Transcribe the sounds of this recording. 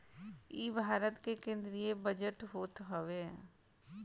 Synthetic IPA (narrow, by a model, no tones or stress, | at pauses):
iːbʱaːɾət̪kekẽːnd̪ɾiebəd͡ʒəʈɦoːt̪ɦoʋe